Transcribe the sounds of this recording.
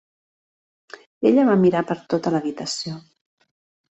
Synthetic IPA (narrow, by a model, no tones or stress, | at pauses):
eʎəβamiɾapəɾt̪ot̪ələβit̪əsio